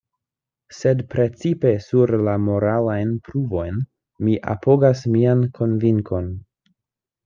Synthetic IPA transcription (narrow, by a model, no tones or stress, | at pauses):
se̞dpɾe̞t͡sipe̞suɾlamo̞ɾalajnpɾuvo̞jn | miʔa̰po̞ɡasmiankʰo̞nviŋko̞n